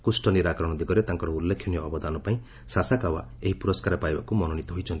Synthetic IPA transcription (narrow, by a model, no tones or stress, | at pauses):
kusʈɔniɾakɔɾɔɽ̃ɔd̪iɡɔɾet̪aŋkɔɾɔulːekʰːjɔnijɔːbɔd̪anɔpaĩ | sasakawaeɦipuɾɔskaɾɔpajbakumɔnɔɽ̃it̪ɔɦojt͡ʃʰɔnt̪i